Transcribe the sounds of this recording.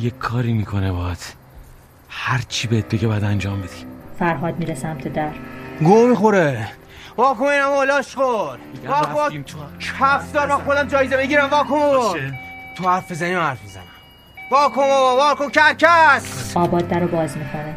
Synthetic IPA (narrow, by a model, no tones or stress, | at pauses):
jekʰːɒːɾimikʰonebɒːæt̪ | hæɾt͡ʃʰibeet̪̚beɟeɒjæd̪ænd͡ʒɒːmbed̪̥i̥fæɾɦɒːd̪miːɾesæmt̪ʰed̪æɾɡomixoɾe | vɒːkomoinæmolɒːʃxoɾvɒːomːt͡ʃʰæfd̪ɒːɾmænxod̪æmd͡ʒɒːjezebeɡiɾæmvɒːkʰomo | t̪ʰohæɾfbezænimahæɾfbezænæm | vɒːkʰomovɒːɾkocæɾcʰæɒːbɒːd̪ːæɾobɒːzmixʰone